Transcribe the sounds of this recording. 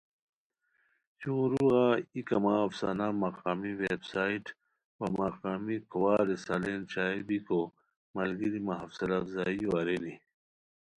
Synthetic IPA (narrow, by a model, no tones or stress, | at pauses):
jõːɾuaikɐmaːfsa̰namaqaːmiwebsaːiʈ | wɐmaqaːmikuwaːɾesalent͡ɕaːebiko | mɐlɡiɾimaɦɐfsɐlafzaːioaɾeni